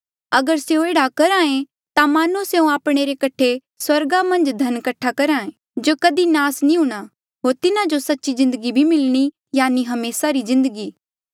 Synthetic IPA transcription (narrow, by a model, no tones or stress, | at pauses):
ɐɡəɾseoeːɽakɐɾãːẽ | t̪amaːnuseũaːpɽ̃eɾekɐʈʰe | swɐɾɡamɐ̃nd͡ʒd̪ʱɐnkɐʈʰːakɐɾãːẽː | d͡ʒoːkɐd̪inaːsnĩɦũɽ̃a | ɦoːɾt̪ɪnad͡ʒosɐtːʃizɪ̃nd̪əɡibʱimɪlɽ̃i | jaːniɦɐmeːsaɾizɪ̃nd̪əɡiː